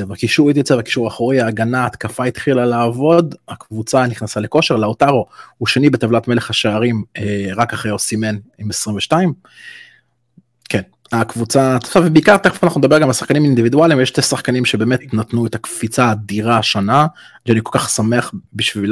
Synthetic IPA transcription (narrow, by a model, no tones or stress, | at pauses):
evakiʃuʁit̪̬jat͡sevaki̥ʃuʁaχoʁiaːɡanaːt̪kafait̪χilalaːvo̞d̪akvut͡saniχnasaleko̞ʃe̞ʁleaotaʁo̞huʃenibet̪avlatme̞leχhaʃeaʁimeʁakaχejosime̞nimesʁimveʃtaim | ken | akvut͡sat̪avebeikaʁt̪eχefanaχnunedabe̞ʁɡamalsḁχkanimaind̪ivid̪ualimvjeʃt̪esaχkanimʃebeːmet̪natnuet̪akfit͡sad̪iʁaʃona | ʃeanikolkaχsameaχbiʃvil